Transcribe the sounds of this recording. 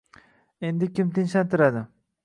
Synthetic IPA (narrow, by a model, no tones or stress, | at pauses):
e̞nd̪ɪkʲɪmt̪ʰɪnʃant̪ʰɪɾad̪ɪ